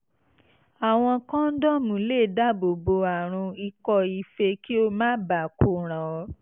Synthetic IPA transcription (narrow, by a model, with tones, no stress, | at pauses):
a˨w̃ɔ̃˧kã˦n̩˦dɔ˦mũ˨˦le˦˨da˦bo˨bo˧a˨ɾ̃ũ˧i˧kɔ˧i˧fe˧ki˦o˧mãː˦ba˨ku˦ɾ̃ã˨ɔ˧